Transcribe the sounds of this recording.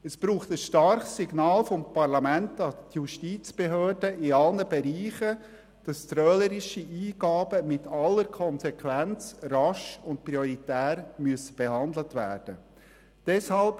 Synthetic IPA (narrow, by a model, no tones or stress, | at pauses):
ɛsb̥ɾuːχtəsʃtɑɾχsːiɡnɑːlfɔmpɑɾlɑmæntdɑstjuʃtiːt͡sb̥eɦøːɾdəɪɑlnəbeɾiːχə | d̥ɑst̪ɾœːləɾɪʃiʔiːɡɑːbəmɪtʰɑlːəɾkʰɔnsɛkʰʋænt͡srɑʃʊnt̚pɾioɾitæːɾmyəsə̥b̥ehɑnd̪lətʋæ̰ːɾd̥ə | d̥ɛshɑlp